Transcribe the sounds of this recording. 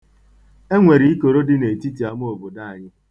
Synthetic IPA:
e˦ŋʷe˨ɾi˨˦i˦ko˨ɾo˦dɪ˦ne˨ti˦ti˨a˨mo˦o˨bo˨da˦˨a˨ɲɪ˦

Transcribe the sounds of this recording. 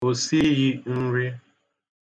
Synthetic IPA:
o˨si˦ɣi˦n̩˦ɾi˦

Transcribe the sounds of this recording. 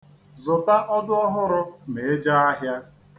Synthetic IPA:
zʊ˨ta˦ʔɔ˦dʊ˦ɔ˦ɦʊ˦ɾʊ˦ne˨e˦d͡ʒa˦a˦ɦja˦

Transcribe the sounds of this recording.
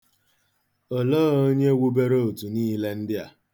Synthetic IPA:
ɔ˨lɔː˦o˦ɲe˦ɡʷu˦be˦ɾo˦o˨tu˨niː˦le˦n̩˦dɪ˦a̰˨

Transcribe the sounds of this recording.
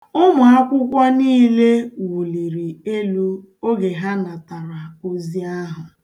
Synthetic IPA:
ʊ˦mʊ˨a˦kʷʊ˦kʷa˦niː˦le˦wu˨li˨ɾi˨e˦lu˦ | o˦ɡe˨ɦa˦na˨ta˨ɾa˨o˦zi˦a˦ɦʊ˨

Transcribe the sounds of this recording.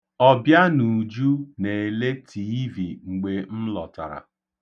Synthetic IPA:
ɔ˦bja˦nu˨d͡ʒu˦ne˨e˨le˦tʰi˦vi˨ŋ͡m̩˨ɡ͡be˨m̩˦lɔ˨ta̰˨ɾa̰˨

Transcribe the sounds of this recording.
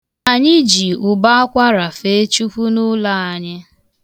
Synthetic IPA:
a˨ɲɪ˦d͡ʒi˨ʊ˨ba˦a˦kʷa˦ɾa˨fe˦t͡ʃu˦kʷu˦nʊ˦la˦˨a˨ɲɪ˦

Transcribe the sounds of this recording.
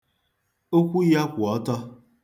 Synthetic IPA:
o˦kʷu˦ja˦kʷɔ˨˦tɔ˦

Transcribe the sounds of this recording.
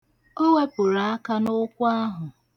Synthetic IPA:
o˦we˦pʊ˨ɾa˨a˦ka˦nʊ˦kʷʊ˦a˦ɦʊ˨

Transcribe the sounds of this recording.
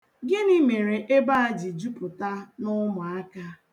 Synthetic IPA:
ɡɪ˦ni˦me˨ɾe˨ʔe˦ba˦a˦d͡ʒi˨d͡ʒu˦pʊ˨ta˦nʊ˦mʊ˨a˦ka˦

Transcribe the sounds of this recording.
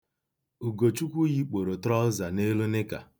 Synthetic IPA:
u˨ɡo˨t͡ʃu˦kʷu˦ji˦k͡po˨ɾo˨tɾɔ˦za˨ne˦lo˦nɪ˦ka̰˨

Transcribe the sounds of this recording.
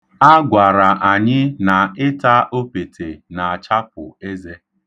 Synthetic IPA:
a˦ɡʷa˨ɾa˨ʔa˨ɲɪ˦na˨ɪ˦ta˦ʔo˦pe˨tʰe˨na˨a˨t͡ʃa˦pʊ̰˨e˦ze˦

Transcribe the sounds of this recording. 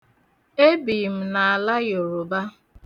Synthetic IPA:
e˦bi˨m̩˨na˨a˨la˦jo˨ɾo˨ba˦

